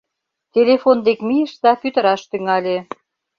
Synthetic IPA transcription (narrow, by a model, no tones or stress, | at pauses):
t̪ʲelʲefond̪ekmijəʃt̪ɑpyt̪ə̆ɾɑʃt̪yŋɑlʲe